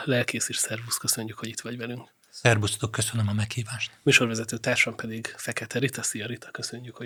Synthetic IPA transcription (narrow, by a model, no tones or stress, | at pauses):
lɛlkeːsiʃsɛrbuskø̞sø̞ɲːykho̞ɟit̪ʋɒɟvɛlyŋk | sɛrbust̪okːøsønømɒmɛkhiːvaːʃt̪myːʃo̞ɾvɛzɛt̪øːt̪aːrʃɒmpɛd̪iɡfɛkɛt̪ɛɾit̪ɒsijɒɾit̪ɒkø̞sø̞ɲːykho